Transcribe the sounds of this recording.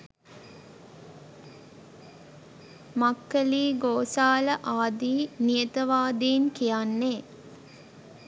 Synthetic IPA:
makːəliːɡoːsaːləʔaːd̪iːnijət̪əʋaːd̪inkijanːeː

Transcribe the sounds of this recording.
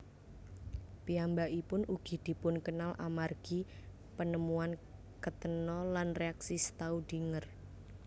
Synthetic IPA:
piambaʔipʊnuɡ̥i̤d̪̥i̤pʊnkənalʔa̰marɡ̥i | pənəmuan | kət̪ənɔlanreaksisə̥t̪aud̥i̤ŋər

